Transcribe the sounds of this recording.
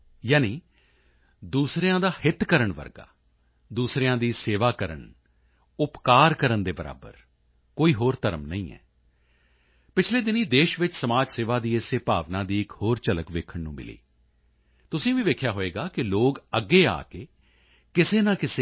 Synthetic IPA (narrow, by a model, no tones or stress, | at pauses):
jaːniː | d̪uːsɾejãːd̪aːhɪt̪kəɾəɳʋə̰ɾɡa̰ː | d̪uːsɾejãːd̪iːseːʋaːkəɾə̰ɳ | ʊpkaːɾkəɾənd̪eːbəɾʔa̰ːbə̰ɾ | koːiːɦoːɾt̪əɾəmnə̰ĩːɛ̰ː | pɪt͡ʃʰleːd̪ɪniːd̪eːʃʋɪt͡ʃsəmaːd͡ʒseːʋaːd̪iːeseːpaːʋnãːd̪iːɪkhoːɾt͡ʃələkʋeːkʰəɳnũːmɪ̰lḭː | t̪ʊsĩːʋĩːʋeːkʰːjaːɦoːeːɡaːkɪloːɡəɡːeːa̰ːkeː | kɪseːnãːkɪseː